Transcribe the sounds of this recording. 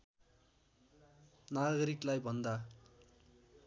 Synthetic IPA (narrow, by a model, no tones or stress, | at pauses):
naɡʌɾiklajbʱʌnd̪a